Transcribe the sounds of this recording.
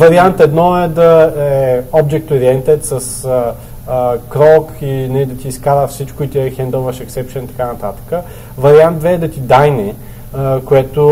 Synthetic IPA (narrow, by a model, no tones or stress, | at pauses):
vɐɾiant̪ɛd̪nɔɛd̪ɐɛɛɔbd͡ʒɛk̚t̪oɾiɛnt̪ɛt̪sɐs | kɾɔkinɛid̪ɐt̪iːskaɾəfsit͡ʃkʊit̪iɛxɛnd̪ɔvɐʃɛksɛpʃənt̪ɐ̥kanɐt̪at̪ə̥kə | vɐɾiand̪d̪vɛːd̪ɐt̪id̪ajnɛ | koɛt̪o